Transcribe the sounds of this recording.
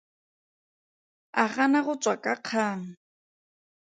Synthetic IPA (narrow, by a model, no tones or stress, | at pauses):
aχanaɣʊt͡sʼwakʼaq͡χʰaːŋ̩